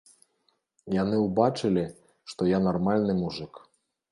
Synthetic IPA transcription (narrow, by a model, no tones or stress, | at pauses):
janɨuwbat͡ʂɨlʲi | ʂt̪ɔjanarmalʲnɨmuʐɨk